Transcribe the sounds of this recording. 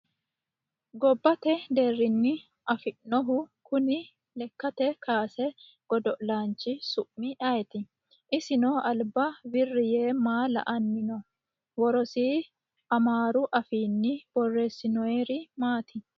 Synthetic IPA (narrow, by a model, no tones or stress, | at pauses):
ɡɔbːɐt̪ɛd̪erːɪnːɪ | ʔɐfɪʔnɔɦʊkʊnɪ | lɛkːɐt̪ɛkʰaːsɛ | ɡ̥ɔd̪ɔʔlaːnt͡ʃːɪsʊʔmɪʔɐjɛt̪ɪ | ʔɪsɪnɔʔɐlbɐbɪrːɪjeːmaːlɐ̰ʔɐnːɪnɔ | wɔɾɔsiː | ɐmaːɾʊʔɐfiːnːɪb̥ɔrːeːsːɪnɔjɛɾɪmaːt̪ɪ